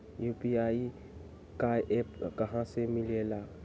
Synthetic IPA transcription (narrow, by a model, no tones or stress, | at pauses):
jupiai | kaʔɛpkaɦãsemiliela